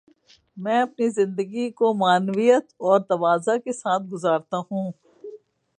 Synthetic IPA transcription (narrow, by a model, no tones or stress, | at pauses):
mɛ̃ːɐpnizɪ̃nd̪əɡikomaːnʋijət̪ɔːɾt̪ɐʋaːzakesaːt̪̚ʰɡʊzaːɾt̪aɦũː